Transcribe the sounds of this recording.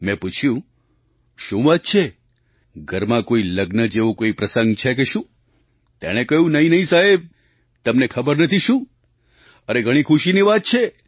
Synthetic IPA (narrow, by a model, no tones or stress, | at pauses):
mɛ̃put͡ʃʰjũ | ʃũʋat̪̚t͡ʃʰe | ɡʱəɾmãkoiləɡnəd͡ʒeʋõkoipɾəsəŋɡt͡ʃʰek̬eʃũː | t̪ḛɽ̃ekəɦjũnəɦĩnəɦĩsaɦeb̚ | t̪əmnekʰəbəɾnət̪ʰiʃũ | əneɡʱəɽ̃ikʰuʃiniʋat̪̚t͡ʃʰe